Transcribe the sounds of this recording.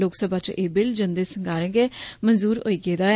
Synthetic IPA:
loːksəbaːt͡ʃʔeːbɪld͡ʒənd̪eːsəŋɡaːɾẽːɡeːmənzuːɾo̰ːiːɡeːd̪aː

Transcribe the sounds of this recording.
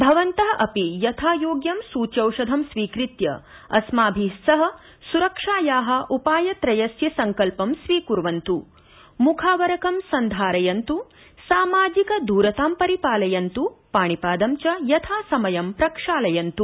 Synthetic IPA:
bʱɐʋɐnt̪ɐɦɐʔɐpijɐt̪ʰaːjoːɡjɐmsuːt͡ʃɐwʃɐd̪ʱɐmsʋiːkɾit̪jɐ̰ | ɐ̰smaːbʱisɐɦɐ̆ | suɾɐkʂaːjaːɦɐ̆ʔupaːjɐt̪ɾɐjɐsjɐsɐŋkɐlpɐmsʋiːkuɾʋɐnt̪u | mukʰaːʋɐɾɐkɐmsɐnd̪ʱaːɾɐjɐnt̪u | saːmaːd͡ʒikɐd̪uːɾɐt̪aːmpɐɾipaːlɐjɐnt̪upaːɳipaːd̪ɐmt͡ʃɐjɐt̪ʰaːsɐmɐjɐmpɾɐkʂaːlɐjɐnt̪u

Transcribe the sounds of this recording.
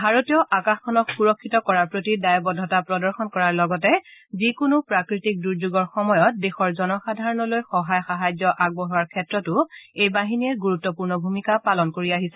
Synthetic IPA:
bʱaɹotijɔʔakaxkʰɔnɔkxuɹɔkʰːitɔkɔɹaɹpɹotidajɔbɔdʱɔtapɹɔdɔɹxɔnkɔɹaɹlɔɡɔtɛzikunupɹakɹitik̚duɹzuɡɔɹxɔmɔjɔt̚dexɔɹzɔnɔxadʱaɹɔnɔlojxɔɦajxaɦajzjɔʔaɡ̚bɔɦuaɹkʰɛtɹɔtʊejbaɦiniɛɹɡuɹutːɔpuɹnɔbʱumikapalɔnkoɹiaɦisɛ

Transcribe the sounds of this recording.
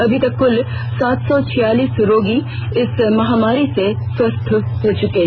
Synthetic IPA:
ɐbʱit̪ɐkːʊl | saːt̪sɔt͡ʃʰɪjaːliːsɾoːɡiɪsmɐɦaːmaːɾisesɐst̪ʰɦoːt͡ʃʊke

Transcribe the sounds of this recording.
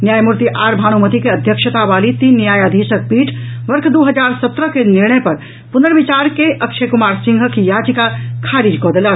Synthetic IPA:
njaːjmuɾt̪iʔaːɾbʱaːɽ̃umət̪ikeɐd̪ʱjəkʃət̪aʋaːlit̪iːnːjaːjəd̪ʱiːʃək̚piːʈʰ | ʋɐɾkʰd̪oːɦɐd͡ʒaːɾsɐt̪ɾəkenɪɾɳ̃əjpɐɾ | pʊnəɾʋɪt͡ʃaːɾkeʔɐkʃekʊmaːɾsɪ̃ŋɡʱəkjaːd͡ʒikakʰaːɾiːd͡ʒkɔːd̪əlaː

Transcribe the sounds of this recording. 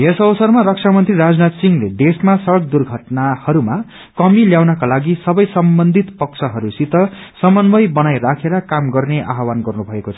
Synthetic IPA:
ɦesʌwʌsʌrmaɾʌk̚sʰamʌnt̪riɾad͡znat̪siŋled̪esmasʌɾʌk̚d̪urɡʱʌʈnahʌɾuma | kʌmiljawnʌkalaɡisʌbʌjsʌmbʌnd̪ʱit̪pʌksʰʌɦʌɾusit̪ʌsʌmʌnbʌjbʌnajɾakʰeɾʌkamɡʌrneʔaɦwanɡʌrnubʱʌekot͡sʰʌ̥

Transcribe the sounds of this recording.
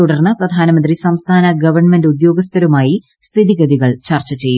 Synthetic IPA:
t̪uɽɐrnːɨprɐd̪ʱaːnɐmɐnd̪risɐmst̪ʰaːnɐɡɐʋɐrɳmendud̪jo̞ːɡɐst̪ʰɐɾumaːji | st̪ʰiðiɡɐðiɣɐɭt͡ɕɐrt͡ɕɐt͡ɕe̞jːu

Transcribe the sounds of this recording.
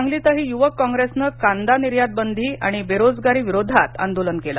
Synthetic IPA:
aŋɡliːt̪aɦiːjuʋəkːɔ̃ŋɡɾesnəkand̪aniɾjad̪̚bənd̪ʱiːa̰ɽ̃ibeɾod͡zɡaɾiːʋiɾod̪ʱat̪ə̰nd̪olənkela̰

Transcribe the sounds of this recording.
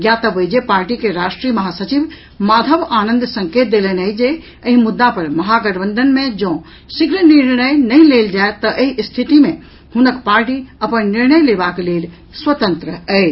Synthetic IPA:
jjat̪əʋəd͡ʒepaːɾʈikeɾaːʃʈɾiːmɐɦasət͡ʃib | maːd̪ʱəbaːnə̃nd̪sə̃ŋkeːt̪̚d̪elənəjd͡ʒe | əɦĩmud̪ːapɐɾmɐɦaɡəɾbə̃nd̪ʱənmẽd͡ʒə̃ː | sikɾəniɾnəjnəɦĩleːld͡ʒaet̪ːəʔeɦist̪ʰit̪imẽ | hunəkpaːɾʈiɐpənniɾnəjlebakleːl | swət̪ənt̪ɾəə

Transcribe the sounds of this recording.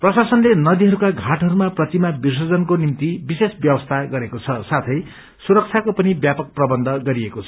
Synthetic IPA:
prʌsasʌnlenʌd̪iɦʌɾukaɡʱaʈɦʌɾumaprʌtimabirs̬ʌd͡zʌnkonimt̪ibisesbjʌbʌst̪ʰaɡʌɾekot͡sʰʌsat̪ʰʌj | suɾʌk̚t͡sʰjakopʌnibjapʌk̚prʌbʌnd̪ʱʌɡʌɾiekot͡sʰʌ

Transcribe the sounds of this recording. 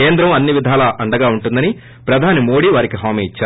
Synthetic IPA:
eːnd̪ɾɐmɐnːiʋid̪ʱaːlɐʔɐɳɖɐɡaːuɳʈund̪ɐni | pɾɐd̪ʱaːnimo̞ːɽiːʋaːɾikiɦaːmiːit͡ʃːaː

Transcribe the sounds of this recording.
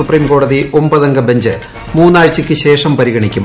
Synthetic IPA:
upriːmko̞ːɽɐðiʔo̞mbɐðɐŋɡɐbeɲd͡ʑɨ | muːnːaːɻt͡ɕːɐkʲːɨɕe̞ːʂɐmpɐɾiɣɐɳikʲːum

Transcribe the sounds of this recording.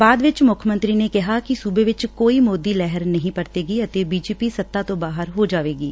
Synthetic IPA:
baːd̪ʋɪt͡ʃmʊkʰəmə̃nt̪ɾinekɪɦakisuːbeʋɪt͡ʃkoːimoːd̪iːlɛɦəɾnəɦĩpəɾt̪eːɡiːət̪ebiːd͡ʒeːpisət̪ːaːt̪õbaːɦəɾɦod͡ʒaːʋeːɡiː

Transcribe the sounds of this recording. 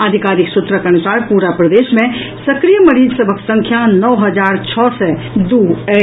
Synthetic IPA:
aːd̪ʱikaːɾiksʊt̪ɾəkəñət͡ʃaːɾpuːɾapɾəd̪eːʃmẽ | sɐkɾijəməɾiːd͡ʒsəbʱəksə̃ŋkʰjanɔʋɦəd͡ʒaːɾt͡ʃʰɔːsɛ | d̪uːɛ

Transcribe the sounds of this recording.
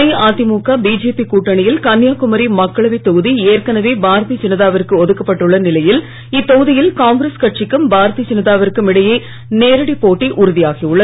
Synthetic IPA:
ɐɪaːt̪ɪmuːkaːbiːd͡ʒeːpikuːʈːɐɳɪjɪlkɐnjaːkʊmɐɾimɐkːɐɭɐʋit̪ːɔɣɯðieːrkɐnɐʋeːbaːɾɐt̪it͡ʃɪnɪðaːʋɐɾkːɯɔðɯkːɐpːɐʈːɯɭːɐnɪlɐjɪl | ɪt̪ːɔɣɯðɪjɪlkaːŋɡɾɐskɐʈ̚t͡ʃɪkːɯmbaːɾɐt̪it͡ʃɪnɪðaːʋɐɾkːɯmɪɽɐjeː | neːɾɐɽipːoːʈːiʔʊɾɯðɪjaːɣiʊɭːɐ

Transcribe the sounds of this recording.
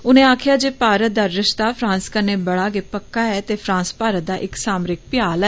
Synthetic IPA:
ʊnẽːaːkʰjaːd͡ʒeːpaːɾət̪̚d̪aːɾɪʃt̪aːpʰɾãːnskəɾneːbəɽaːɡeːpəkːaːɛːt̪eːpʰɾãːspaːɾət̪̚d̪aːʔɪksaːmɾɪk̚pɪjaːlɛ

